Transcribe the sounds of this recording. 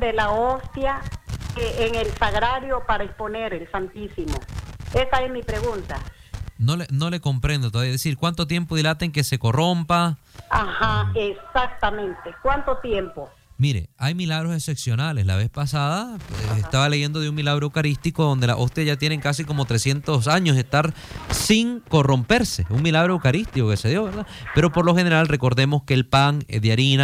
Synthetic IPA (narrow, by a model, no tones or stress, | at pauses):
d̪elaost̪jakeeŋelsaɣɾaɾjopaɾaesponeɾelsant̪isimo̰esaesmipɾeɣunt̪a | no̞leno̞le̞ko̞mpɾend̪ot̪oaβiaðesiɾkwant̪ot̪̬je̞mpo̞ðilat̪eŋkese̞ko̞ro̞mpa | ahaesak̚t̪amẽnt̪ekwant̪ot̪je̞mpo | miɾe̞̰ajmilaɣɾose̞se̞psjo̞nale̞sla̰βe̞spasaðapḛsest̪aβaleʝe̞nd̪o̞ðeuŋmilaɣɾoewkaɾist̪iko̞ðond̪e̞la̰ʔo̞st̪jaʝat̪je̞ne̞ŋkas̬iko̞mo̞t̪ɾesje̞nt̪os̬aɲos̬e̞st̪aɾ | siŋko̞ro̞mpe̞ɾse̞uŋmilaɣ̞ɾoewkaɾist̪ikoke̞se̞ðjo̞βeɾðape̞ɾo̞po̞ɾlo̞xe̞ne̞ɾalre̞ko̞ɾðe̞mo̞skeːlpaŋðeaɾina